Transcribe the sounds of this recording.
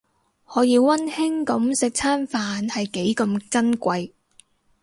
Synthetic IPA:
hɔː˨˥jiː˨˧wwɐ˥nhɪ˥ŋkɐ˨˧msɪ˨k̚t͡sʰaː˥nfaː˨nhɐ˨jke˨˥jkɐ˧mkɐ˥nkʷɐ˧j

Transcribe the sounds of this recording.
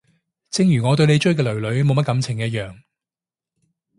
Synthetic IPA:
t͡sɪ˧ŋjyː˨˩ŋɔː˨˧t̪̬ɵ˧ɥne˨˧jt͡ʃɵ˥ɥkɛː˧lɵ˨˩ɥlɵ˨˧ɥmo˨˧wmɐ˥t̚kɐ˨˥mt͡sʰɪ˨˩ŋɛ˧jɐ˥t̚jœː˨ŋ

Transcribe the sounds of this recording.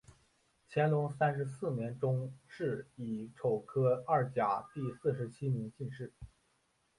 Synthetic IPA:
t͡ɕʰjɛ˧˥nlʊ˧˥ŋsa˥nʂɻ̩˧˥sɹ̩˥˩njɛ˧˥nʈ͡ʂʊ˥ŋʂɻ̩˥˩i˨˩ʈ͡ʂʰo˨˩ʊkʰɤ˥a˥˩t͡ɕja˨˩t̪i˥˧sɹ̩˥˩ʂɻ̩˧˥t͡ɕʰi˥njɛ˧˥nt͡ɕi˥˧nʂɻ̩˥˩

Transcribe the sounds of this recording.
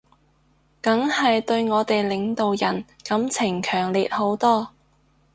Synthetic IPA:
kɐ˨˥ŋhɐ˨jt̪ɵ˧ɥŋɔː˨˧˥t̪e˨jlɪ˨ŋt̪o˨wjɐ˨˩n | kɐ˨˥mt͡sʰɪ˨˩ŋkʰœː˨˩ŋliː˨t̚ho˨˥wt̪ɔː˥

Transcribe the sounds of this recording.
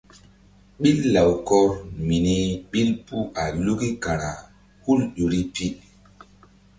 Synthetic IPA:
ɓi˦lːa˨wkɔ˦ɾmi˨ni˦ɓi˦lpu˦ʔa˨lu˦ki˦ka˨ɾa˨ | hu˦lɗo˨ɾi˦pi˦

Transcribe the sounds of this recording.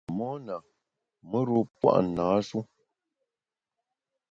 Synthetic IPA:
mɔ˦na˨ | mə˦ɾo˦pwa̰˦ʔnaː˨˦su˦

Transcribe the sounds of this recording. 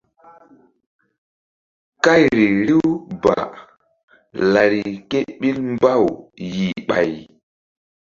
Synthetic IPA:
ka˦˨jɾi˨ɾi˦wba̰˨ | la˨ɾi˨ke˦ɓi˦lmba˦˨wji˨ɓa̰˨j

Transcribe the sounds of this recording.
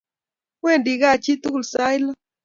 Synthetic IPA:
kwe˦˨ndi˨ɡa˦˨t͡ʃi˦t̪u˦klsa˦jlɔ˦

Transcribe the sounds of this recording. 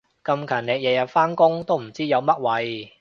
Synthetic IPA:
kɐ˧mkʰɐː˨˩nneː˨˧jɛː˨˩jɐ˨t̚faː˥nkʊ˥ŋt̪o˥wm̩˨˩t͡siː˥jɐ˨˧wmɐ˥t̚wɐ˨˧j

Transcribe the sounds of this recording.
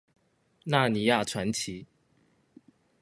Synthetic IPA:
na˥˩˨ni˧˥ja˥˩ʈ͡ʂʰwa˧˥nt͡ɕʰi˨˦

